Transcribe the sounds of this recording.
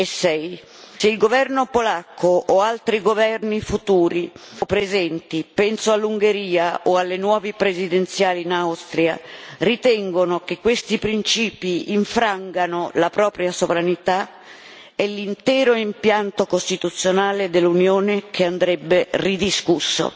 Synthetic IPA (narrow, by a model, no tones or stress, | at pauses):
esːɛj | seilɡovɛrnopolakʰːoʔːalt̪ɾiɡovɛrnifut̪uːɾipɾezɛnt̪ipɛnsoalːuŋɡeɾiːaʔoalːenwɔːvipɾezid̪ent̪sjaːliːnawst̪ɾja̰rit̪ɛŋɡonokekːwest̪ipɾint͡ʃiːpiːɱfɾaŋɡanolapɾɔːpɾjasovɾanit̪a | ɛlːint̪ɛːɾoimpjant̪okost̪it̪ut̪sːjonaːled̪elːunjoːnek̟ʰeand̪ɾɛbːerid̪iskusːo̰